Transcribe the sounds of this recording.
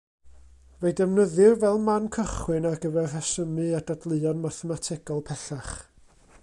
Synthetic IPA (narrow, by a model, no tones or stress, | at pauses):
veɨdɛvnəðɪrvɛlˠmankʰəχwɪnarɡəvɛrhɛsəmɨadadlˠɨɔnmaθɛmatʰɪɡ̥ɔlˠpʰɛθaχ